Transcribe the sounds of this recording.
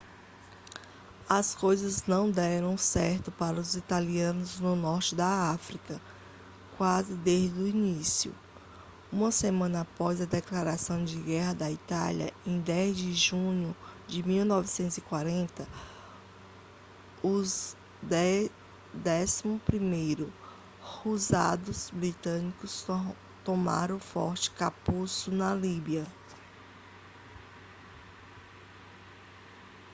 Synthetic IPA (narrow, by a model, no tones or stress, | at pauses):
ɐskojzɐznɐ̃w̃d̪ɛɾɐ̃w̃sɛɾt̪ʊpaɾɐʊzit̪aliɐ̃nʊznʊnɔɾt͡ʃɪd̪ɐafɾikɐ | kwazɪd̪ezd͡ʒd̪ʊinisiʊ̰ | ũmɐsemɐ̃nɐːpɔzɐd̪ɛklaɾasɐ̃w̃d͡ʒɪɡɛɦɐd̪ɐit̪a̰ljɐ̰ẽj̃d̪ɛzd͡ʒɪʒũɲʊd͡ʒɪmiwnɔvɪsẽnt̪ʊzikwaɾẽnt̪ɐ | ʊz | d̪ | d̪ɛsimʊpɾimejɾʊ | huzad̪ʊzbɾit̪ɐ̃nikʊs | t̪õma̰ɾɐ̃ʊ̃fɔ̰ɾt͡ʃɪ̥kapusʊnɐlibiɐ